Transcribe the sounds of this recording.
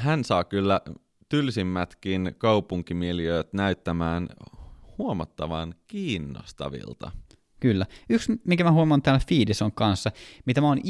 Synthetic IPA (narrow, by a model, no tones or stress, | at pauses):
hænsɑːkylːæ | t̪ylsimːæt̪kinkɑupuŋkimieliøːt̪næyt̪ːæmæːnhuomɑt̪ːɑʋɑnkiːnːo̰st̪ɑ̰ʋḭlt̪ɑ̰ | kylːæyksmikæmæhuomɑnt̪æːlfiːdesoŋkɑnsːɑmit̪æmæon